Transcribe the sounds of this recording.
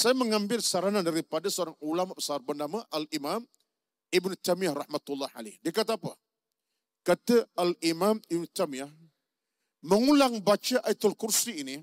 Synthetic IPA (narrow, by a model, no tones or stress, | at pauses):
sajaməŋãmbɪlsaɾanandaɾipadasəoɾaŋulamaʔpə̥sarbəndamaʔalimam | ibnut̪amiahrɑħmat̪ulːɑha̰la̰hdiakat̪aapə̰ | kat̪aalimamibnut̪amiah | məŋulaŋbat͡ʃaʔait̪ʊlkursiːni